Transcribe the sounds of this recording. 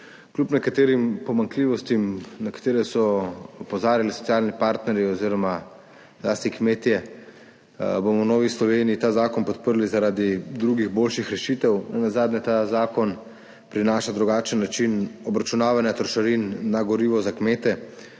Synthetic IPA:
klʲupnɛkat̪eːɾimpɔmaŋkliːʋɔst̪imnakḁt̪eːɾɛsɔpɔzaːɾjalisɔ̥tsijaːlnipaɾt̪nɛɾjiɔziːɾɔma | laːst̪ikmeːt̪jɛ | bomɔwnɔːʋislɔʋeːnijit̪aːzaːkɔnpɔt̪̚pəɾlizaɾaːd̪id̪ɾuɡiɣboːlʃixɾɛʃit̪ɛwnɛnazaːd̪nʲɛt̪azaːkɔn | pɾinaːʃad̪ɾuɡaːt͡ʃənːat͡ʃinɔbɾat͡ʃunaːʋanjat̪ɾɔʃaɾinːaɡɔɾiːʋɔzakmeːt̪ɛ

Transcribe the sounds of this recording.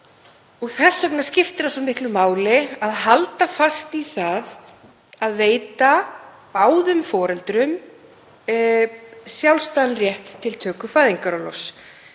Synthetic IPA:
ɔɣθɛsːœk̚nascɪft̪ɪɾasɔmɪhklʏmaːwlɪaðɦalt̪afast̪iθað | aðveːjt̪a | paːwðʏmfɔːɾɛlt̪ɾʏm | sjawlst̪anrjɛht̪ʰːɪlt̪ʰœːkʏfaːðiŋkaɾalɔs

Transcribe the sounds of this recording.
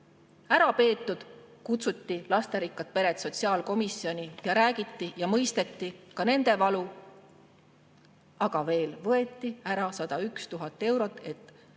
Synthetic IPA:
æɾɑpe̞ːt̪ːˑud̪̥kut̪sut̪ːilɑst̪e̞ɾikːˑɑt̪̚pe̞ɾe̞t̪so̞t̪ʲsiɑːlko̞misio̞nʲijɑɾæːɡ̥it̪ːijɑmɤjst̪e̞t̪ːikɑne̞nd̪̥e̞vɑlu | ɑɡ̥ɑve̞ːlvɤe̞t̪ːˑiæɾɑsɑd̪̥ɑykst̪uɦɑt̪ːˑe̞wɾo̞t̪ːˑe̞t̪ːˑ

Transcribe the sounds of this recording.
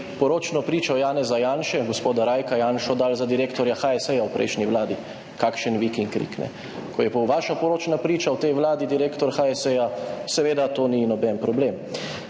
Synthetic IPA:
pɔɾoːt͡ʃnɔpɾiːt͡ʃɔjaːnɛzajaːnʃɛɡospoːd̪aɾaːjkajaːnʃɔd̪aːlzad̪iɾekt̪ɔɾjaxaɛsɛjawpɾɛ̰jʃnʲiwlaːd̪i | kaːkʃənʋikiŋkɾḭknɛ̰ | kʰɔjɛpɔwʋaːʃapɔɾoːt͡ʃnapɾiːt͡ʃawt̪ɛjʋlaːd̪id̪iɾeːkt̪ɔɾxaɛsɛjasɛʋeːd̪at̪oːninɔbɛnpɾɔbleːm

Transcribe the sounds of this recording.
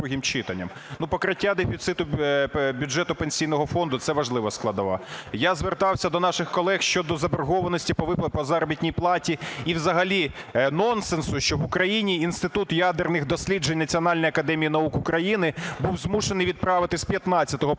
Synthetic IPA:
uɦʲimt͡ʃɪt̪ɐnʲːɐ̰m | nupɔkɾɪtʲːad̪efʲit̪sɪt̪ʊbʲʊʐɛt̪ʊpenʲsʲijnɔɦɔfɔnd̪ʊt̪sɛʋɐʒlˠɪʋɔsklˠɐd̪ɐlˠɐ̰jazʋert̪ɑwsʲɐd̪ɔnɑʃɪxkɔlˠɛxʃt͡ʃɔd̪ɔzɐberɦɔʋɐnɔsʲtʲipɔʋɪppɔzɑɾɔbʲitʲnʲijplˠɑtʲiiwzɐɦɐlʲinɔnsensʊʃt͡ʃɔʋʊkɾɐjinʲiinst̪ɪt̪ut̪jad̪ernɪxd̪ɔsʲlʲid͡ʒenʲnɐt͡sʲiɔnɑlʲnɔjɐkɐd̪ɛmʲijinɐukʊkɾɐjinɪbuwzmuʃenɪjʋʲid̪̚pɾɑʋɪt̪ɪspʲjɐt̪nɑtt͡sʲːɐt̪ɔɦɔ

